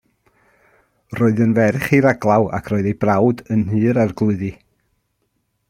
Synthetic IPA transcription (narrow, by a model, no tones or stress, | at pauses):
roːɨðənvɛrχiɾaɡlˠawa̰kʰroːɨðejbrawdənhɨːɾarɡlˠʊɨðɨ